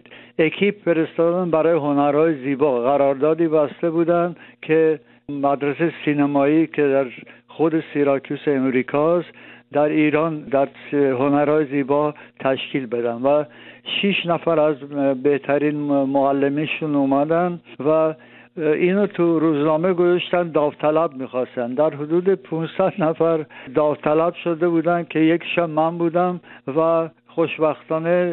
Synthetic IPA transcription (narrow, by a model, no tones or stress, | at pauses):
ekʰibfe̞ɾest̪ɒd̪ænbæɾɒːjeɦonæɾhɒːjeziːbɒːɣæɾɒːɾd̪ɒːd̪iːbæst̪ebuːd̪ænd̪kʲʰe | mæd̪ɾesejsinemɒːiːkʲʰed̪æɾxod̪esiɾɒkʰuseːmɾiːkʰɒst̪d̪æɾiːɾɒːnd̪æɾsɦonæɾhɒːjeziːbɒt̪ʰæʃkʰiːlbe̞d̪ænd̪væ | ʃiʃnæfæɾæzbeht̪ʰæɾinmoælːemiʃunumæd̪ænvæ | inot̪ʰuɾuznɒmeɡozɔʃt̪ænd̪ɒvt̪ʰælæbmixɒst̪ænd̪æɾɦud̪ud̪epʰũnsæd̪næfæɾd̪ɒvt̪ʰælæbʃod̪ebud̪ænkʰejekʰʃæbmænbud̪æmvæ | χoʃbæxt̪ɒːne